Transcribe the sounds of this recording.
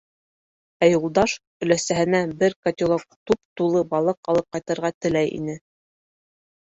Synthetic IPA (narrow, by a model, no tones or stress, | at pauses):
æjulˠd̪ɑʃ | ɵ̆læsæɦɘ̆næbɘɾkɐt̪ʲɪlˠok̚t̪up̚t̪ulˠɤbɑlˠɤqɑlˠɤp̚qɑjt̪ɤ̆ɾʁɑt̪ɘ̆læjʔḭnɘ